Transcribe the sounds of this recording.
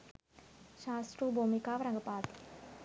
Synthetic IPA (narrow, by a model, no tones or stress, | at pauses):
ʃaːsʈɾuːbomikaːʋɐɾɐŋɡɐpaːt̪i̥